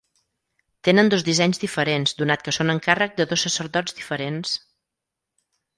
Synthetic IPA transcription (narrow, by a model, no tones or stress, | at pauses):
t̪enənd̪ozðizɛɲzðifəɾenzd̪unat̪̚kəsonəŋkarək̚d̪əðosːəsəɾðɔd͡zd̪ifəɾens